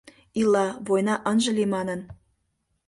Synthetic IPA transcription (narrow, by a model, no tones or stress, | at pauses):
ilɑβojnɑʔənʒə̆limɑnən